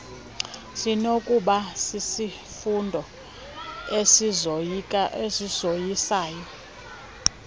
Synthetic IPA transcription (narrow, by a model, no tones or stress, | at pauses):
sinokʼuɓasisi | fundʱɔ | e | esizojisaːjɔ